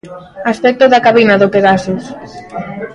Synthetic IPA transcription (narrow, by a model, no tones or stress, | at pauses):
aspɛk̚t̪oðakaβinaðopeðasos